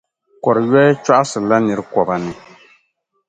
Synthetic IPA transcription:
kɔ˨ɾɨ˨jɛ˦t͡ʃa˦ʔa˦sɨ˨la˦nɨ˨ɾɨ˦kɔ˨ba˨nɨ˨

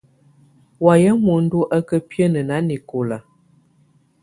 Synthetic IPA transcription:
wa˨jə˦mwu˨˦n̩˦du˦ʔə˦kə˦pjə˦nə˨na˨˦ni˨ko˨la˨

